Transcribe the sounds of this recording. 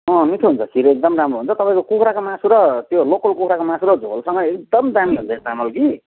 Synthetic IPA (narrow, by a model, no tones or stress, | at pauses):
ʌ̃miʈʰuɦunt͡sʰʌsiɾek̚d̪ʌmramroɦunt͡sʰʌt̪ʌpaĩkokukʰɾakomãsuɾʌt̪jolokʌlkukʰɾakomãsuɾʌd͡zʱo̰lsʌŋɡʌek̚d̪ʌmd̪amiɦunt͡sʰʌest̪amʌlki